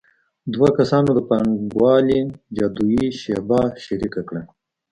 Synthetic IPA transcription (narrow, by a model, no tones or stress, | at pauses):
d̪wakasɑnod̪əpaŋɡwɑlid͡ʒɑd̪ujiʃebɑʃaɾikakɽa